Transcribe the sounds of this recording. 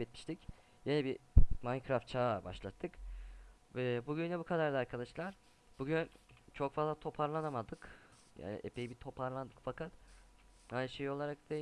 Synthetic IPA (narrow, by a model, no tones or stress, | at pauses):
et̪mʲi̥ʃt̪ʰic | jenɛbimankʰɾaft̪t͡ʃʰaːba̰ʃlˠat̪ʰːɯk | vɛbuɟynlʲɛbukʰad̪aɾd̪ˠaaɾkʰad̪aʃlˠaɾ̥ | b̥uɟynt͡ʃʰo̞kfazlˠat̪ʰo̞pʰaɾlˠanamad̪ɯk | ja̰ːnḭʔepʰejibit̪ʰo̞pʰaɾlˠand̪ɯkfakat̪ | ajnʃejo̞lˠaɾak̚d̪e